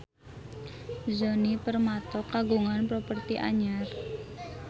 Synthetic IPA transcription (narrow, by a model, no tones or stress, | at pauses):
zonipərmat̪ɔkaɡuŋanpɾopərt̪iʔa̰ɲar